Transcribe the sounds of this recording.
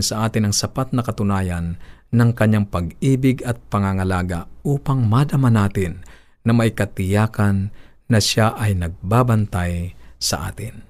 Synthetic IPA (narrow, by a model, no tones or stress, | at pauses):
nsɐʔaːt̪ɪnɐŋsɐpat̪̚nɐkɐt̪ʊnaːjanːɐŋkɐɲːaŋpɐɡiːbɪɡɐt̪̚pɐŋaŋɐlaːɡaʔuːpaŋmad̪ɐmanaːt̪ɪnː | ɐmɐjkɐt̪ɪjaːkanː | ɐʃaʔɐjnɐɡ̚baːbɐnt̪ajsɐʔa̰ːt̪ɪn